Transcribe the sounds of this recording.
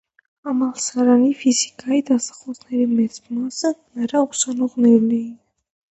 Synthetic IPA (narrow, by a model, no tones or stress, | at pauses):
amalˠsaɾanifizikʼaid̪asḁχɔsʰnɛɾimɛsmasənaɾausanɔʁnɛɾliːn